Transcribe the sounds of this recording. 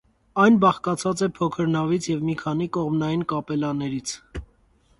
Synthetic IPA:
ɑjnbɑχkɑt͡sʰɑt͡sɛpʰɔkʰəɾnɑvit͡sʰjɛvmikʰɑnikɔʁmnɑjinkɑpɛlɑnɛɾit͡sʰ

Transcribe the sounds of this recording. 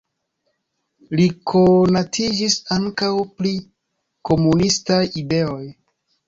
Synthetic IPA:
likʰonatʰid͡ʒisaŋkawpli | ko̞munistajide̞o̞j

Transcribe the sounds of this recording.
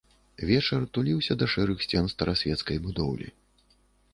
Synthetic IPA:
vʲɛt͡ʂɐrt̪ulʲiwsʲɐd̪ɐʂɛɾɨxsʲt͡sʲɛnst̪ɐɾasʲvʲɛt̪skɐjbud̪ɔwlʲḭ

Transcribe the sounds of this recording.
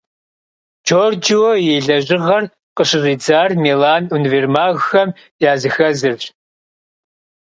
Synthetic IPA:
t͡ʃʰoːrd͡ʒɪwɔjeːɮɐʑɪʁɐr | qəɕɨriːd͡zaːrmeːlaːnunveːrmaːɣxɐm | jaːzɨxɐzɨrɕ

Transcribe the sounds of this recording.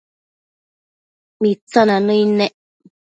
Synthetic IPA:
mit͡sananəinɛʔ

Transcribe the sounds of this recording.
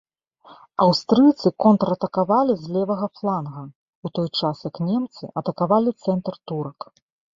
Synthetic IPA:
ɐwst̪ɾɨt̪sɨkɔnt̪ɾɐt̪ɐkavalʲizʲlʲɛvɐɣɐflˠanɣɐ | ut̪ɔjt͡ʂasjɐknʲɛmt̪sɨ̰ʔɐt̪ɐkavalʲit̪sɛnt̪rt̪uɾɐk

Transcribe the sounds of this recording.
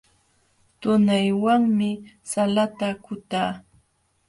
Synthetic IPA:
t̪ʊnajwaŋmɪ | salat̪akʊt̪aː

